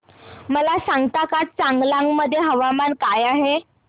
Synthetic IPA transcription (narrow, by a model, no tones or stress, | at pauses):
məlasaŋɡt̪akat͡saŋɡlaŋɡməd̪ʱːjeɦəʋamankajaɦe